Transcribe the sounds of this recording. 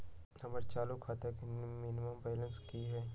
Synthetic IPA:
nɐməɾt͡ʃaːlukʰaːt̪akinmɪnɪməmbɛːlə̃nskiɦɛː

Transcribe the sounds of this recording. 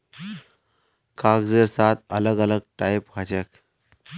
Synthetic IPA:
kʰakd͡zeɾsat̪ələɡələɡ̚ʈajpkʰat͡ɕek

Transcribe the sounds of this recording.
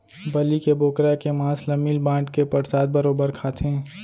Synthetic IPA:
bɐlikeboːkɾakemãːslɐmiːlbãːɳʈkepɐɾsaːd̪̚bɐɾoːbəɾkʰaːt̪ʰẽː

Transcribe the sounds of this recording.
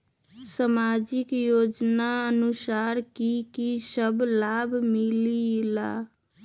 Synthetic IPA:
samaːd͡ʒɪkjoːd͡ʒnaənʊsaːɾkikisəblaːbʱmɪlila

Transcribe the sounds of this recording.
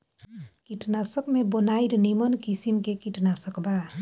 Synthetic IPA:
kitnasɔk̚mebɔnajɾnimɔnkisimkekitnasɔkba

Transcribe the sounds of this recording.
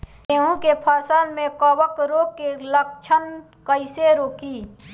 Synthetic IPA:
eːɦũkepʰaːsaːlmẽkɔwəkɾoːkːelək̚t͡ʃʰən | kəɪseɾoːkiː

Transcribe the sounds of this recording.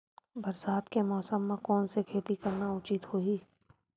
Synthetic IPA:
bɐɾsaːt̪kemɔːsəmːẽkɔːnsekʰeːt̪ikɐɾnaʊt͡ʃit̪hoːiː

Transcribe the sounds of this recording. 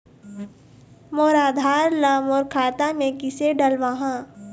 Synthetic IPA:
moːɾaːd̪ʱaːɾlamɔːɾkʰaːt̪amẽkɪseɖɐlʋaɦãː

